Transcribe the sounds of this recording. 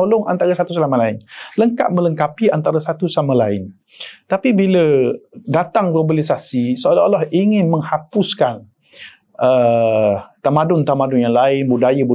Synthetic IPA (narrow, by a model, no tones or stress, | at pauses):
olʊŋʔa̰nt̪aɾasat̪uslamalaɪnləŋka̰t̪̚mə̃ləŋkapiant̪aɾasat̪usamalaɪ̰n | t̪apibilədat̪aŋlobalisasisoalalɔhiŋɪnmə̃ŋhapʊskan | ə | t̪amadʊnt̪amadʊnjaŋlaɪnbudajəbu